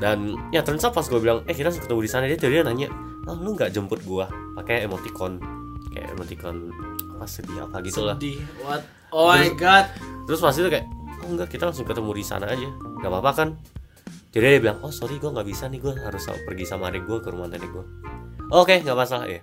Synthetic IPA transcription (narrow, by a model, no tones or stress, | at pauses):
danjat̪əɾənsapasɡuabilaŋɛkit̪alaŋsʊŋkət̪əmudisanad͡ʒat̪aɾianaɲa̰ | laŋluŋɡaʔd͡ʒəmpʊt̪̚ɡua | pakajemot̪ikɔn | ka̰ja̰ʔḛmot̪ikɔn | apasəbia̰paɡit̪ulahd̪̚ | oɡat̪̚t̪ːəɾʊsmas̬it̪ukajaʔoŋɡakit̪alaŋsʊŋkət̪əmudisa̰na̰ːd͡ʒaŋɡaʔpapakan | d͡ʒadiadabilaŋosoɾiɡuaŋɡaʔbisaniɡuaɦaɾʊsa̰pərɡisamanɛɡuakəɾumant̪anɛɡuaʔokeŋɡaʔpasalaḭ